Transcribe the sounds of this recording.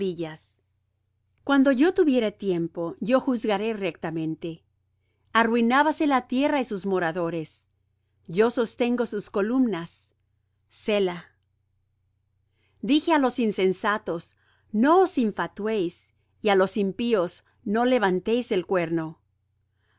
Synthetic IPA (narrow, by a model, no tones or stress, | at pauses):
iʝas | kwand̪o̞ʝo̞t̪uβje̞ɾet̪je̞mpo̞ʝo̞xuzɣaɾe̞rek̚t̪amẽ̞nt̪e̞ | arwinaβase̞lat̪je̞raisuzmo̞ɾaðo̞ɾe̞s | ɟ͡ʝo̞so̞st̪e̞ŋɡo̞susko̞lumnasː | ela | d̪ixe̞alo̞sinse̞nsat̪o̞s | no̞osiɱfat̪wejs | ialo̞simpio̞s | no̞le̞βant̪e̞jse̞lkwe̞ɾno̞